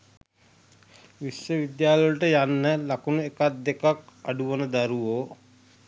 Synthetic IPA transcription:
ʋisjəʋid̪jaːllʈəjanːəlakunuekat̪̚d̪ekakaɖuʋənəd̪aɾuʋoː

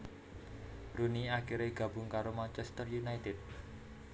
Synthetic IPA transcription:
runiakiɾeɡ̥a̤bʊŋkaɾomant͡ʃɛst̪ərjunajt̪ɪd̪̚

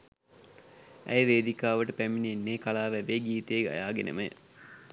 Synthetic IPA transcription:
æ̰jʋeːd̪ikaːʋəʈəpæminienːeːkalaːʋæʋeːɡiːt̪ejeɡa̰jaːɡenə̰məj̰

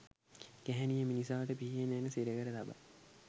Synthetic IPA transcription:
ɡ̥æɦænijəminisaːʋəʈəpiɦijenænəseɾəɡəɾət̪aba̰

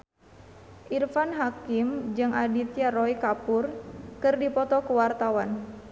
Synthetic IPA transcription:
ʔirfanɦakimd͡ʒɨŋʔadit̪iarɔikapurkɨrdipɔt̪ɔkəwart̪awan

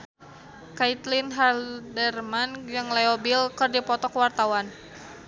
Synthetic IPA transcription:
kait̪linɦardɛrmanjaŋlɛɔbilkɨrdipɔt̪ɔkwart̪awan

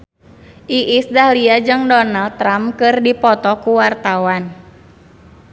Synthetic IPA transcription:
ʔiʔisdahliad͡ʒɨŋdɔnald̚t̪ːɾamkɨrdipɔt̪ɔkuwart̪awan

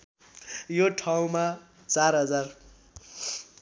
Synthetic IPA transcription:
joʈʰaw̃ma | t͡sarɦʌd͡zar

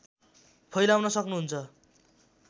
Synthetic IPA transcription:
pʰʌjlawnʌsʌknuɦunt͡sʰʌ

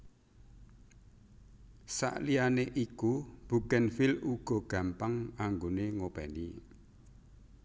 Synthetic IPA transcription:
sa̰ʔlianeʔikub̥ṳkɛnfiluɡ̥ɔ̤ɡ̥a̤mpaŋaŋɡoneŋopɛ̰ni

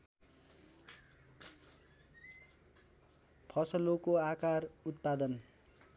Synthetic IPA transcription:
pʰʌsʌlokoakarut̪̚pad̪ʌn

